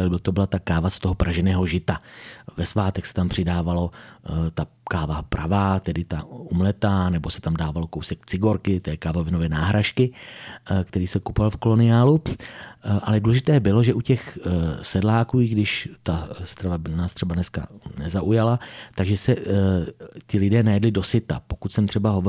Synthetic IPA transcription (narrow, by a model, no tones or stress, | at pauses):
ot̪obɪlat̪akaːvast̪oɦopɾʔaʒɛnɛːɦo̞ʒɪt̪avɛsvaːt̪ɛxsɛ̥t̪ampr̝̥ɪdaːvalo̞t̪akaːvapɾʔavaːt̪ɛdɪt̪aumlɛt̪aːnɛbo̞sɛ̥t̪amdaːvalokowsɛk̚t͡sɪɡo̞ɾkɪt̪ɛːkaːvovɪnovɛːnaːɦɾaʃkɪ | kt̪ɛɾiːsɛkupovalfko̞lo̞nɪjaːlu | ʔalɛduːlɛʒɪt̪ɛːbɪlo̞ʒɛʔucɛxsɛdlaːkuːiɡdɪʃt̪ast̪ɾavanaːst̪r̥ɛbanɛska̰nɛzaʔujalat̪aɡʒɛsɛ | cɪlɪdɛːnajɛdlɪdo̞sɪt̪a̰pokut̪sɛmt̪r̥ɛbaɦo̞vo